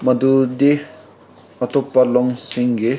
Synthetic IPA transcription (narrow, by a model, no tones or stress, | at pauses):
mɐd̪ud̪e | ɔt̪ɔpːalɔŋsiŋɡe